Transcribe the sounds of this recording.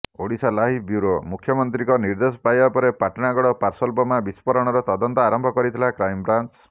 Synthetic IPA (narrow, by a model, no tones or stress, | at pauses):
oɽisalaɦibjuɾomukʰjɔmɔnt̪ɾikɔniɾd̪esɔ̥pajbapɔɾepaʈɔɽ̃aɡɔɽɔpaɾsɔlbɔmabispɔɾɔɽ̃ɔɾɔt̪ɔd̪ɔnt̪ɔaɾɔmbʱɔkɔɾit̪ʰilakɾajmbɾant͡ʃ